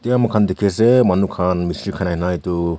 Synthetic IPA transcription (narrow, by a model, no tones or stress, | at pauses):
t̪ejamakʰand̪ekʰes̬emanukʰanmisilkʰanajnajtu